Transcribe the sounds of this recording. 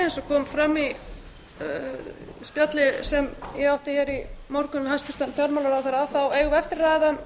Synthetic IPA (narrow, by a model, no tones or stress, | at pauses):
ɛnsɔkʰɔːmfɾamːi | spjat̪lɪsɛmjɛɣawht̪ɪçɛɾimɔɾkʏnhajst̪ʏɾ̥t̪anfjɔɾmalaɾawθeɾaθaweːjɣɛft̪ɪɾraːðɪða